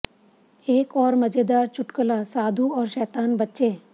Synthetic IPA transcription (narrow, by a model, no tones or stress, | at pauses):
eːkɔːɾmɐd͡ʒed̪aːɾt͡ʃʰʊʈkəlasaːd̪ʱuɔːɾʃɛːt̪aːnbətːʃeː